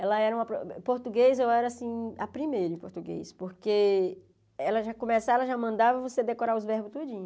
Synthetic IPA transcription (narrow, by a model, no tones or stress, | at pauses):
ɛlɐɛɾɐũɐpɾopoɾt̪uɡezewɛɾɐasĩapɾimejɾɐ̃ɪ̃ĩpoɾt̪uɡḛjspoɾke | ɛlɐʒakõmesaɛlɐʒamɐ̃nd̪avɐvosed̪ekoɾaɾʊzvɛɾbʊst̪od͡ʒĩɲʊ